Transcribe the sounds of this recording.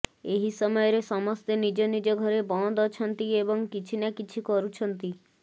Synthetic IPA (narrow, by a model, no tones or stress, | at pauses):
eɦisɔmɔjɔɾesɔmɔst̪enid͡ʒɔnid͡ʒɔɡʱɔɾebɔ̃d̪ɔt͡ʃʰɔnt̪iebɔŋkit͡ʃʰinakit͡ʃʰikɔɾut͡ʃʰɔnt̪i